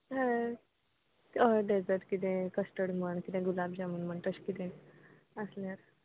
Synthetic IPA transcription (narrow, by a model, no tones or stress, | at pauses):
ɦã | t̪ɔɖed͡zəɾʈkit̪̬ɛ̃kəsʈəɽməɳkit̪ɛ̃ɡulabd͡ʑamunməɳʈəɕkit̪ɛ̃ | əslaɾ